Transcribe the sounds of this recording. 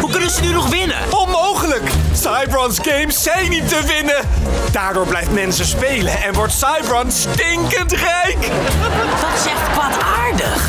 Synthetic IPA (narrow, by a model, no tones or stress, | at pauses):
ɦukɵnənzənynɔχʋɪnə̰ɔnmowχələksɑjbɹɔnsɡejmsːɛjnitəʋɪnəd̥aːɹdʊːɹblɛjftmɛnsəspejləɛnʋɔɹtsɑjbɹɑnstɪŋkəntrɛjk | d̥ɑtɪsɛχtkʋataːɹdəχ